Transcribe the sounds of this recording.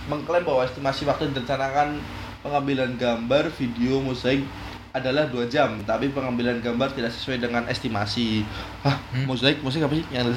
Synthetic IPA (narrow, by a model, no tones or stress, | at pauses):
məŋkəlɛmbawaɛst̪imasiwak̚t̪udiət͡ʃanakan | pəŋambilanɡambarfideomozaɪk̚ | adalahduad͡ʒamt̪apipəŋambilanɡambart̪idaʔksə̥suwajdəŋanʔɛ̰st̪imasi | ahmozaɪk̚mosaɪkapasijaŋ